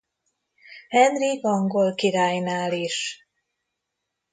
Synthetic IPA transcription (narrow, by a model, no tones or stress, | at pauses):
hɛnrikɒŋɡo̞lkiɾaːjnaːliʃ